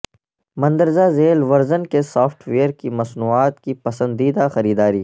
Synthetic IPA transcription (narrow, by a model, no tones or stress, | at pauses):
mɐ̃nd̪əɾzazeːlʋɐɾzənkesɔːfʈʰʋeːəɾkimɐsnuːaːt̪kipɐsə̃nd̪iːd̪axɐɾiːd̪aːɾiː